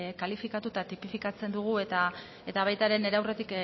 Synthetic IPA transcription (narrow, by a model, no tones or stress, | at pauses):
kalifikat̪ut̪at̪ipifikat͡se̞nd̪uɣ̞ue̞t̪a | e̞t̪aβ̞ajt̪aɾe̞ne̞ɾawre̞t̪ik